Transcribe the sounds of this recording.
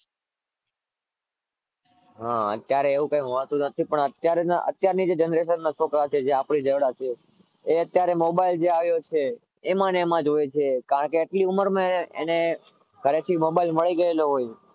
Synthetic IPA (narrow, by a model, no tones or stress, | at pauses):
ɦãə̰t̪jaɾeːʋũkãĩmɦot̪ũnət̪ʰipəɳət̪jaɾenaʔə̰t̪jaɾnid͡ʒed͡ʒənɾeʃənːat͡ʃʰokɾat͡ʃʰed͡ʒeapɳid͡ʒəɽat͡ʃʰe | eət̪jaɾemobaild͡ʒeaʋjot͡ʃʰeː | manemãd͡ʒojet͡ʃʰekaɾəɳkeːʈliuməɾmãeḛne | kəɾet̪ʰimobailməɭiɡəeloɦoj